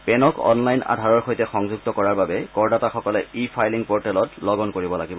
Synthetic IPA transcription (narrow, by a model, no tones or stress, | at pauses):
pɛnɔkɔ̰nlajna̰dʱaɹɔɹxojtɛxɔŋzuɡ̚tɔkɔɹaɹbabɛkɔɹdataxɔkɔlɛipʰajliŋpɔɹtɛlɔtlɔɡɔnkoɹibɔlaɡibɔ